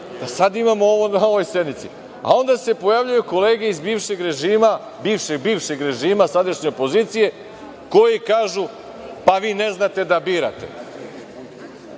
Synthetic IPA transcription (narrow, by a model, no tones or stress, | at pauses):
d̪asad̪imamooʋonaoʋo̞jse̞d̪nit̪sḭ | a̰o̞nd̪asepo̞jaʋʎujuko̞le̞ːɡe̞izbiːvʃe̞ɡɾe̞ʒiːma | biːʋʃeɡbiːʋʃe̞ɡɾe̞ʒiːmasad̪aʃɲe̞opo̞ziːt̪sije̞ | ko̞jikaːʒu | paʋiːne̞znat̪e̞d̪abiːɾa̰t̪e̞̰